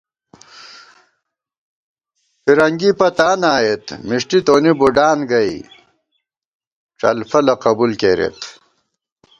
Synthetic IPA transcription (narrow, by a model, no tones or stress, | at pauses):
fiɾɐŋɡipɐt̪aːnaːjet̪miʂʈit̪oːnibuɖaːnɡɐj | ʈ͡ʂɐ̰lfɐlɐqɐbulkeːɾḛt̪